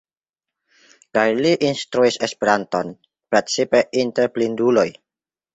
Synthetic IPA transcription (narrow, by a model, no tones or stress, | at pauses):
kajliʔinst̪ɾuisespiɾant̪ɔn | pɾet͡sipeʔint̪ɛɾplinduloj